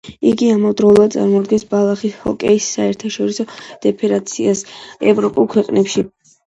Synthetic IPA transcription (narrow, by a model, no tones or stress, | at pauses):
iɡiamɔd̪ɾɔlˠad̪sʼa̰ɾmɔd̪ɡɛnsbalˠaχishɔ̰kʼɛisːaɛɾt̪ʰaʃɔɾisɔd̪̥ɛpʰɛɾat̪sʰiasɛvɾɔpʼulˠkʰwɛqʼnɛpʃi